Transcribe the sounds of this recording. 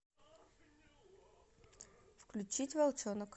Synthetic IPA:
fklʲʉt͡ɕitʲvɐlˠt͡ɕonək

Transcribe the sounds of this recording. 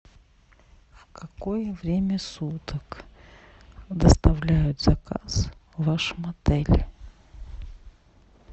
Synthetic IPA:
fkɐkojəvɾʲemʲəsut̪ək | d̪əst̪ɐvlʲæjʊt̪z̥ɐka̰svaʂmɐd̪ɛlʲ

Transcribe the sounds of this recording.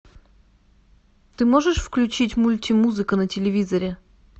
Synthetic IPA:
t̪ɨmoʐɨʂfklʲʉt͡ɕitʲmulʲtʲimuzɨkənətʲɪlʲɪvʲizəɾʲɪ

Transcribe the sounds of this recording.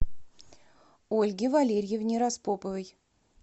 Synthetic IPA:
olʲɡʲɪvalʲeɾʲjevnʲeɾaspopəvʲəj

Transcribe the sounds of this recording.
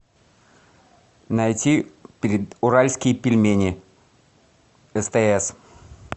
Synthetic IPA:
nɐjtʲipʲɪɾʲɪd̪ʊɾalʲskʲɪjəpʲɪlʲmʲenʲɪ | ɛst̪ɛɛs

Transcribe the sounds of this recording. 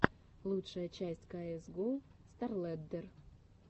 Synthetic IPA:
lˠutʂəjət͡ɕæsʲtʲkaɛsɡost̪arlˠɛd̪ːɛr

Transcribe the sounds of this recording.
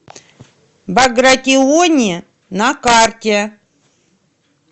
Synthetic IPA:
bɐɡɾat̪ʲɪonʲɪ | nakartʲe

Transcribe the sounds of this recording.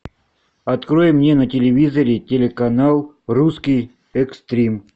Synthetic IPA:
ɐt̪kɾojɪmːnʲenətʲɪlʲɪvʲizəɾʲɪtʲɪlʲɪkɐnalˠ | ruskʲij | ɛkst̪ɾʲim

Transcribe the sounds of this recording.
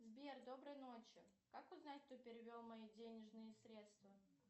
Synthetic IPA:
zbʲerd̪o̞bɾɨjno̞t͡ɕjʊ | kakʊznat̚ʲt̪opʲɪɾʲɪvʲolˠmɐidʲenʲɪʐnɨjəsɾʲe̞t̪st̪və

